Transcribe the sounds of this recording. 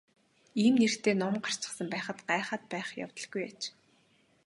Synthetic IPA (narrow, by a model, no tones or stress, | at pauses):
iːmnerxt̪eːnɔmɢar̥t͡ɕə̥̆χsə̆mpæːχə̆t̪ɢaːχaːt̪̚pæːχja̰wt̪ə̆ɮɡujat͡ɕ